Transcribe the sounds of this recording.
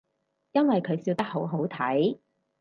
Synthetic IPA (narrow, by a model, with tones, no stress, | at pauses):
jɐ˥nwɐ˨jkʰɵ˨˧ɥsiː˧wt̪ɐ˥k̚ɦo˨˥wɦo˨˥wt̪ʰɐ˨˥j